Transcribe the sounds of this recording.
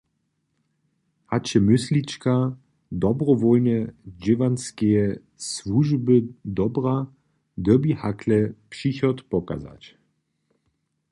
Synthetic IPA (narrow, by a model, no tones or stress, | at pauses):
hat͡ɕɛmʏslit͡ʃka | d̪ɔbʁɔvɔlnɛd͡ʒɪvanskɛjɛ | svuʒbəd̪ɔbʁa | d̪əbihakʰlɛpʂiçɔt̪pɔka̰za̰t͡ɕ